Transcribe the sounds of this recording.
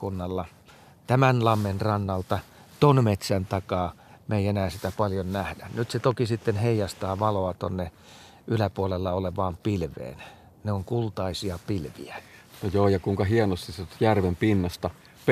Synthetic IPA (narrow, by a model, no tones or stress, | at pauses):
unːɑlːɑ | t̪æmænlɑmːenrɑnːɑlt̪ɑ | t̪onmet̪sænt̪ɑkɑː | meienæːsit̪æpɑljonnæhdænyt̪set̪okisit̪ːenheijɑst̪ɑːʋɑloɑt̪onːe | ʔylæpuolelːɑoleʋɑːmpilʋḛːn | neoŋkult̪ɑisiɑpilʋḭænojoːjɑkuiŋkɑhienost̪isset̪jærʋempinːɑst̪ɑ